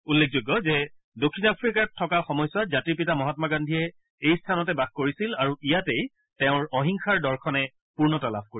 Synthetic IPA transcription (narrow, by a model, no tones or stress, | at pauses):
ulːek̚ʰzoɡːɔzɛ | dokʰːinapʰɹikatʰːɔkaxɔmɔjswazatiɹpitamɔɦɔtmaɡandʱiɛ | ejstʰanɔtɛbaxkoɹisilaɹuʔijatej | tɛʊ̃ɹɔɦiŋxaɹdɔɹkʰɔnɛ | puɹnɔtala̰b̚ʱkoi